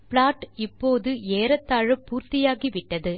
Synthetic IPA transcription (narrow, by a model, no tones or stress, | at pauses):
pɭaːʈɪpːoːðɯeːɾɐt̪ːaːɻɯpːuːɾt̪ɪjaːɣiʋɪʈːɐðɯ